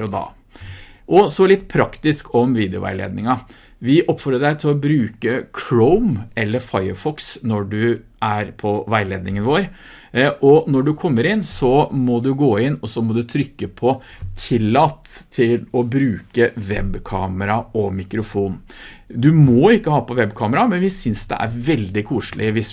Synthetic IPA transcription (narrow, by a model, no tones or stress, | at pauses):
ɾɔd̪ɑ̰ː | ʔɔsɔlɪt̪ːpʰɾɑkt̪ɪskɔmʋiːd̪ɛʊ̰ʋæ̰ɪlḛːd̪nɪŋɑ | ʋɪʔɔpfɔɾəɖæɪt̪ʰɪlɔbɾʉːkəkʰɹoʊmɛlːəɾfɑɪəfɔksnɔɖʉʔæɾpʰɔʋæɪleːd̪nɪŋənʋoːɾ | ʔɔnɔɖʉkʰɔmːəɾɪnːsɔmɔd̪ʉɡoːɪnːɔsɔmɔd̪ʉt̪ʰɾʏkːəpʰɔ | t̪ʰɪlːɑt̪ʰːɪlɔbɾʉːkəʋɛbkʰɑːməɾɑɔmɪkɾʊfuːn | d̪ʉmɔɪkːəhɑːpɔʋɛbkʰɑːməɾɑmɛnʋɪsʏnsd̪ɛ̰ʔæ̰ɾʋɛld̪ɪkʰuːʂlɪʋɪs